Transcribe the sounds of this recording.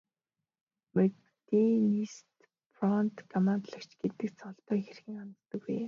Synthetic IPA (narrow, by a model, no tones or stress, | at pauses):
mek | t̪inist̪ | frɔnt̪kʰɔmant̪ɮə̆kt͡ɕɡet̪ɘ̆kt͡sʰɔɮt̪œːxerxɘ̆ŋant͡s̪t̪ə̆kːuj